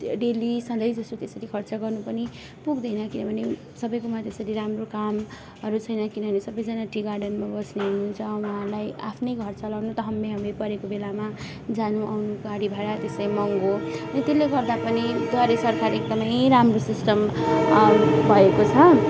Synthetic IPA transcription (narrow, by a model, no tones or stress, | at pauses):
ɖelisʌ̃nd̪ʌjd͡zʌstot̪esʌɾikʰʌrt͡sʌɡʌrnupʌni | puɡd̪ʌjnʌkinʌbʱʌne | sʌbʌjkumat̪esʌɾiɾamrokam | ʌɾut͡sʰʌjnʌkinʌbʱʌnesʌbʌjd͡zʌnaʈiɡarɖʌnmabʌsneɦununt͡sʰʌwuɦalaja̰pʰnʌjɡʱʌrt͡salʌwnut̪ʌɦʌmːeɦʌmepʌɾekobelama | d͡zanuʔawnuɡaɽibʱaeɾat̪esʌɾimʌŋɡoʌnit̪elːeɡʌrd̪apʌnid̪ʱʌɾesʌrkʰaɾek̚d̪ʌmʌjɾamrosisʈʌm | bʱʌekot͡sʰʌ